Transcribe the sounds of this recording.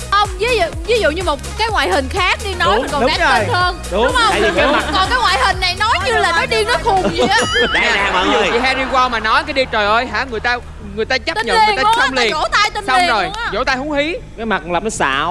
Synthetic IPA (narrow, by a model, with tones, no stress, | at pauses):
ʔə˧wŋ͡mvi˨˦z̰vi˨˦zṵ˧˨ɲɨ˧mo˨˩t̚kaː˨˦jŋwa̰ː˧˨jhï˨˩ŋ̟xaː˦˥k̚ɗi˧nɔ˨˦jm˦˨˩kɔ˨˦˩aː˨˥ə˧həː˧nɗi˨˩˨kɔ˨˩naː˨˦jŋwa̰ː˧˨jhï˨˩ŋ̟ːa˨˩jnɔ˨˦jɲɨ˧laː˨˩nɔ˨˦ɗi˧nɔ˨˦xʊ˨˩˨ɲaː˨˧˨t͡ɕḭ˨˩ɦaː˧ɗi˧kwaː˧wmaː˨˩nɔ˨˦jkaː˨˦ɗi˧t͡ɕəː˨˩jʔəː˧jɦa̰ː˧˥ŋɨ˨˩əjt̪aː˧ | ŋɨ˨˩əjt̪aː˧t͡ɕa˦˥˨ɲə̰˨˩ŋɨ˨˩jtaː˧sə˧wŋ͡mli˨˧əo̰˧˥t̪a˧jt̪e˧nsa˧wŋ͡mzo˨˩jt͡ɕo̰˧˥t̪aː˧jhʊ˨˦ŋ͡mhi˨˦kaː˨˦jma˨˩laː˨˩p̚nɔ˨˦sa̰ː˧˨w